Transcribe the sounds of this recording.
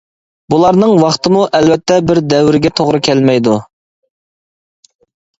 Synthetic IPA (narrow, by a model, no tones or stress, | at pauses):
bulˠɑɾnɨŋwɑχt̪ʰɨmuʔɛlvɛt̪ʰːɛbɪɾd̪ɛwɾɪɡʲɛt̪ʰoʁɾɨkʲʰɛlmɛjd̪u